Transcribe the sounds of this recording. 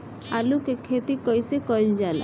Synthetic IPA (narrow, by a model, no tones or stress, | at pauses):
alukekʰet̪ikɔjsekɔjnd͡ʒala̰